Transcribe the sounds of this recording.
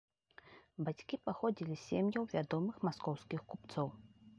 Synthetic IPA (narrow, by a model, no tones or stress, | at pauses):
bat͡sʲkʲipaxɔd͡zʲilʲisʲemjɐwvʲad̪ɔmɨxmaskɔwskʲixkupt̪sɔw